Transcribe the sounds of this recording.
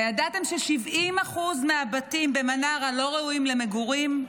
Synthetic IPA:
jadat̪e̞mʃeʃivimaχuzmeabatimbe̞manaʁalo̞ʁeujimle̞me̞ɡuʁim

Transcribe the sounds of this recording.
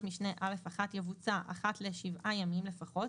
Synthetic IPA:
miʃne̞ʔale̞faχat̪javut͡saʔa̰χatleʃivʔajamimle̞faχo̞t

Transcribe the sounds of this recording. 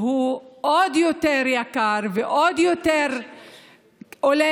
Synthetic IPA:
huʔod̪jot̪eɾjakaɾveʔod̪jot̪eʁ | ole

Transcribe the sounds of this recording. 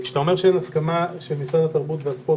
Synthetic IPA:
kʃe̥t̪ao̞meʁʃeenaskamaʃelmisʁad̪at̪aʁbut̪veaspo

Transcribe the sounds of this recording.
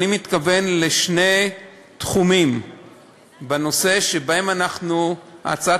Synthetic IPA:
nimit̪kave̞nleʃne̞ | t̪χumim | beno̞se̞ʃebaemanaχnua̰t͡sa

